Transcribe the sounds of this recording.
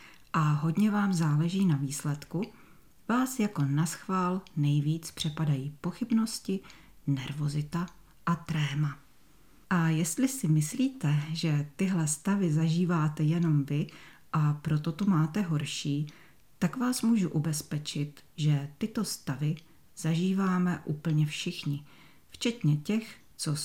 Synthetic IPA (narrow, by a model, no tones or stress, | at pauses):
ʔaɦo̞dɲɛvaːmzaːlɛʒiːnaviːslɛt̪ku | vaːsjako̞nasxvaːlnɛjviːt͡spr̝̥ɛpadajiːpo̞xɪbno̞scɪ | nɛɾvo̞zɪt̪a | ʔat̪ɾɛːma | ʔajɛst̪lɪsɪmɪsliːt̪ɛʒɛt̪ɪɦlɛst̪avɪzaʒiːvaːt̪ɛjɛno̞mvɪ | ʔapɾo̞t̪ot̪omaːt̪ɛɦo̞ɾʃiː | t̪akvaːsmuːʒuʔubɛspɛt͡ʃɪt̪ | ʒɛt̪ɪt̪o̞st̪avɪ | z̥aʒiːvaːmɛʔuːpl̩ɲɛfʃɪxɲɪ | ft͡ʃɛt̪ɲɛcɛx | t͡so̞